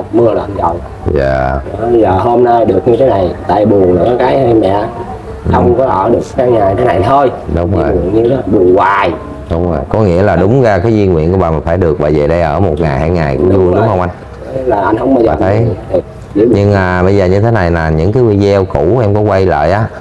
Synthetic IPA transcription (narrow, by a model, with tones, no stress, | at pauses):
mɨ˧əlaː˨˩ʔa˧nzɔ̰˧˨wza̰ː˨˩ɔ˨˦ə˧jzəː˨˩ɦo˧mna˧jɗɨ˨˩ək̚ɲɨ˧t̪ʰe˨˦na˨˩jt̪a̰ː˧˨jɓu˨˩əŋlɨ̰˧˩ə˦kaː˨˦jhɛ˧mɛ̰˧˨ | xə˧wŋ͡mkɔ˨˦ʔəː˧˩ɗɨ˨˩əkkaː˨˦jaː˨˩ɲ˧t̪ʰe˨˦na˨˩jt̪ʰo˧jɗʊ˨˦ŋ͡mzo̰˨˩˨ɲɨ˧e˦lɗu˨˩əŋwaː˨˩j | ɗʊ˨˦wŋ͡mzo˨˩jkɔ˨˦ŋḭ˧˥əlaː˨˩ɗʊ˨˦ŋ͡mɣaː˧˩kaː˨˦jzwi˧nwḭ˧˨ənku˧˩ɓaː˨˩maː˨˩faː˧˩jɗɨ˨˩ək̚ɓa̰˧˨˩zəː˨˩ɗə˧jʔəː˧˩mo˨˩t̚ŋa˨˩jhaː˧jŋa˨˩jkʊ̰˧˥˦zu˧ənɗʊ˦˧˦ŋ͡mhə˧wŋ͡mʔa˧jn˨˦ | laː˨˩ʔa˧jnhə˧wŋ͡mɓaː˧jzaː˨t̪ʰə˧˨˦jɨ˨˩ | i˧˥ɲɨ˧ŋmaː˨˩ɓə˧jzəː˨˩ɲɨ˧t̪ʰe˨˦na˨˩jnaː˨˩ɲɨ̰˧˥ŋt̪ʰɨ˨˦wi˧˩zɛ˧wku˧˩˥ʔɛ˧mkɔ˨˦kwa˧jlə̰ː˧˨jʔaː˨˦